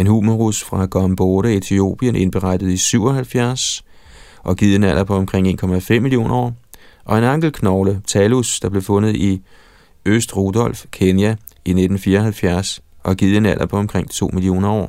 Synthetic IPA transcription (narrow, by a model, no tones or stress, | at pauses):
e̝nhuːmoʁusfʁɑ̈ɡ̥ɒmb̥ɔɾəet͡sʰio̝̰ːb̥iənʔe̝nb̥eʁɑ̈d̥əð̩ˠisyʊ̰ɒ̽ɦælfjæɐs | ʔɒ̽ɡ̥ið̞̰ˠe̝næl̰ʔɐpʰɒ̽ɒ̽mkʰʁeŋ̰e̝̰ːnkʰɒ̽mæfem̰mːilijo̝̰ːnʔɐɒ̰ʔɒ̽e̝nɑ̈ŋ̰ɡ̥l̩kʰnɒʊlət͡sʰɛlusd̥ɑ̈b̥le̝fɔ̽nð̩ˠi | øsd̥ʁo̝d̥ɒ̽l̰fkʰenjæ | ine̝d̥n̩fiːɐɒɦælfjæɐsʔɒ̽ɡ̥ið̞̰ˠe̝næl̰ɐpʰɒ̽ɒ̽mkʰʁeŋ̰t͡sʰo̝̰ːmilio̝̰ːnɐɒ̰ː